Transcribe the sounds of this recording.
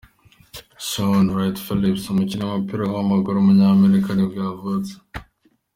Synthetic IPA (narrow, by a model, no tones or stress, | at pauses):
ʃonɾajtfilipsumucinamapiɾawamaɡuɾomuɲame̞ɾikʰanibjavut͡se̥